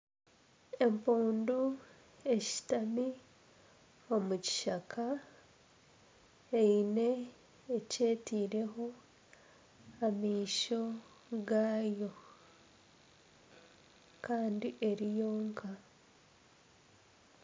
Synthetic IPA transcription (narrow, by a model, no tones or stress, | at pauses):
e̞mpuːndu | e̞ʃi̥tami | o̞muci̥ʃakʰa | eine̞ː | ce̞ːtiːɾe̞ɦo̞ | amiːʃo̞ | ɡaːjo̞ | kaːndiʔe̞ɾijo̞ːŋkʰa